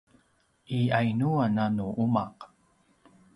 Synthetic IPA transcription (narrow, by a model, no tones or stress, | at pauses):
ʔiajnuananuʔumaq